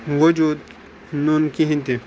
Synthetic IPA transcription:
wod͡ʒuːd̪̚ | nunkiɦĩnt̪i

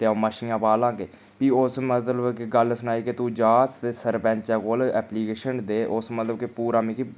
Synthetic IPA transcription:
t̪eːoːməʃiːãːpaːlãːɡeː | piːʊsmət̪ləbkeɡəlsʊnaːiːket̪uːd͡ʒaːt̪t̪eːsəɾbɛ̃ːɲt͡ʃɛːkoːlɛːpliːkeːʃənd̪eːʔʊsmət̪ləbkepuːɾaːmĩːki

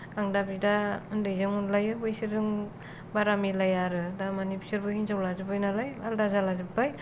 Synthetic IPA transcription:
aŋdabidaɯndɯjzɯŋunlajɯbɯjsiɾɯŋ | baɾamilajaɾɯdamanipʰi̥sɯɾbɯhinzawlazɯpajnalajaldazalazɯpːaj

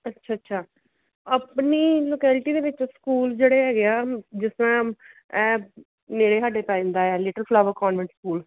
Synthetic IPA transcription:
ətːʃʰaːətːʃʰaː | əpniːloːkɛːlʈiːd̪eːʋɪt͡ʃskuːld͡ʒeːɽeːɦɛːɡɪaːd͡ʒɪsɾãː | ɛː | meːɾeːɦaːɖeːpaːĩːnd̪aːɛːlɪʈəlpʰlaːʋəkɔːnʋɛ̃ɳʈskuːl

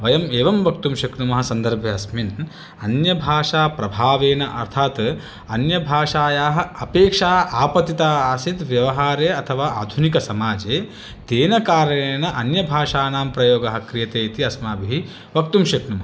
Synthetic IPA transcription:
ʋɐjɐmeːʋɐmʋɐkt̪umʃɐknumɐɦɐ̆sɐnd̪ɐɾbʱjɐɐsmin | ɐnjɐbʱaːʂaːpɾɐbʱaːʋeːnɐʔɐ̰ɾt̪ʰaːt̪ | ɐnjɐbʱaːʂaːjaːɦɐ̆ɐpeːkʂaːaːpɐt̪it̪aːaːsit̪ʋjɐʋɐɦaːɾeːɐt̪ʰɐʋaːa̰ːd̪ʱunikɐsɐmaːd͡ʒeː | t̪eːnɐkaːɾɐneːnɐʔɐnjɐbʱaːʂaːnaːmpɾɐjoːɡɐɦɐ̆kɾijɐt̪eːit̪iɐsmaːbiɦi | ʋɐk̚t̪umʃɐknumɐɦɐ

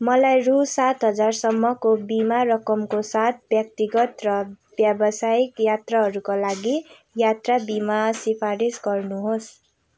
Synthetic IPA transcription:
mʌlajrusat̪ɦʌd͡zarsʌmːʌkobimarʌkʌmkosat̪̚ʰbjʌk̚t̪iɡʌt̪rʌ | bjabʌsaikjat̪raɦʌɾukolaɡi | jat̪rabimasipʰaɾisɡʌrnuɦos

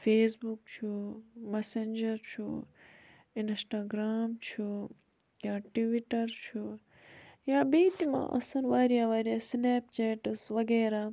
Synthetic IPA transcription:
feːsbukt͡ʃʰumesend͡ʒɐɾt͡ʃʰu | ɪnsʈaːɡɾaːmt͡ʃʰu | jaːʈiʋiʈɐɾt͡ʃʰu | jaːbeːt̪imã̰ːʔɐ̰sɐnʋaːɾijaːʋaːɾijaːsneːpt͡ʃeːʈɐsʋɐɡeːɾaː

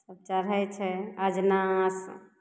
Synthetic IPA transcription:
səb̚t͡ʃaɾɦɛt͡ʃʰɛəd͡ʒnas

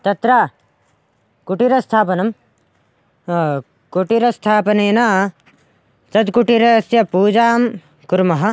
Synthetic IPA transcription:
t̪ɐt̪ɾaː | kuʈiɾɐst̪ʰaːpɐnɐm | kuʈiɾɐst̪ʰaːpɐneːnaː | t͡sɐd̪kuʈiɾɐsjɐpuːd͡ʒaːm | kuɾmɐɦɐ̆

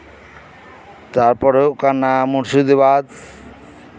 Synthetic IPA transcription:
t̪aɾpɔɾekanːamuɾsud̪ibad̪

